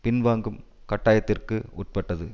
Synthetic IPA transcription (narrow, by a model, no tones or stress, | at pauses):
pɪnʋaːŋɡɯm | kɐʈːaːjɐt̪ːɪrkɯʊʈ̚pɐʈːɐðɯ